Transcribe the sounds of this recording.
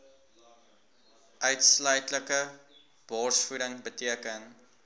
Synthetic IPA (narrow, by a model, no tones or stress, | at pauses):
ʔœɥtslœɥtləkə | b̥ɑːrsfuɾəŋbətiəkən